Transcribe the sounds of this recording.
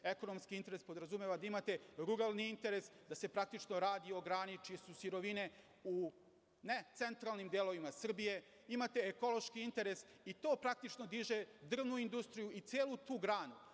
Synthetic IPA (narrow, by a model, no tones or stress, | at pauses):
eko̞no̞mskiint̪e̞ɾespo̞d̪ɾazumeʋad̪aimat̪e̞ɾuɾalˠniint̪e̞ɾesd̪ase̞pɾak̚t̪it͡ʃno̞ɾaːd̪io̞ɡɾaːnit͡ʃije̞susiɾo̞ʋine̞ | u | net̪se̞nt̪ɾalˠnimd̪elo̞ʋimasr̩bije̞ | imat̪e̞ːko̞lˠo̞ʃkiint̪e̞ɾe̞s | it̪o̞ːpɾak̚t̪it͡ʂno̞d̪iʒed̪r̩ʋnuind̪ust̪ɾijuit̪seːlut̪uːɡɾaːnu